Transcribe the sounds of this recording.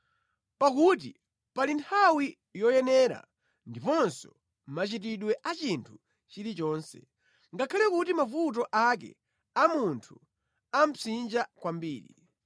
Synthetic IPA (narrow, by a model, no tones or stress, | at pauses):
pakut̬i | palintʰawi | jɔjɛnɛɾa̰ | ndipɔnsɔ | mat͡ʃit̬iɗwɛʔat͡ʃintʰu | t͡ʃilit͡ʃɔːnsɛ̰ | ŋɡakʰalɛkutimafut̬ɔʔak̬ɛ̰ | amuntʰu | am̩sind͡ʒakwambiːɾḭ